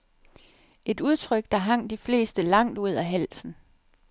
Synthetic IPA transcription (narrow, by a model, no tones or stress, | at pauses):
ʔe̝duð̞ˠt͡sʰʁœɡ̥̚d̥ɑ̈ɦɑ̈ŋ̰d̥ifle̝̰ːsd̥əlɑ̈ŋ̰d̥uð̞̰ˠæɦæl̰sn̩